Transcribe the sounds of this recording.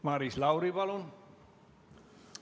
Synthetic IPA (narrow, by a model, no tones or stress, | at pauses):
mɑɾislɑwɾiʋɑlon